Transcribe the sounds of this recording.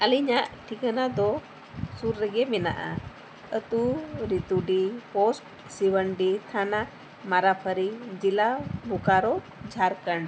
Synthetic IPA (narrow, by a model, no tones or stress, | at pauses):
əliɲaʔʈʰikənad̪ɔ | suɾːɛɡɛmɛna̰ʔa̰ | ət̪uɾit̪uɖipɔsʈ̚ | siwəɳɖit̪ʰana | maɾapʰəɾid͡ʒilabʱukaɾɔ | d͡ʒʱaɾkəɳ